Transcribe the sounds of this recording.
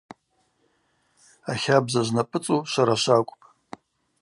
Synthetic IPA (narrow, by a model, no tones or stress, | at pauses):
aχʲabzaʒʷnapʼɨt͡sʼuʃʷaɾaʃʷakʷʼpʼ